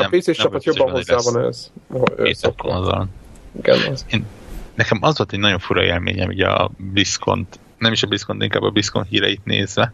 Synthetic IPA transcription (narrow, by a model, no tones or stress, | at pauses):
peːseːʃt͡ʃɛpɒt̪jobːɒ̃ɦozaːvɒnɛ̰zoeːsokːonɒzɒ̰niɡɛ̰nzeːnnɛkɛmɒzʋolt̪ɛɟnɒɟo̞ɱfuɾɒeːlmḛːɲɛmṵɟɛɒ̰blisko̞̰nt̪ | nɛmiʃɒblisko̞nt̪iŋkaːbːɒbiskonɦiːɾɛjit̪nḛːzʋɛ